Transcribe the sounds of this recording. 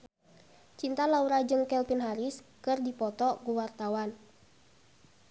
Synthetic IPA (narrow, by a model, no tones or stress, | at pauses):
t͡ʃint̪alauɾad͡ʒɨŋkɛlpinɦaɾiskɨrdipɔt̪ɔɡuwart̪awan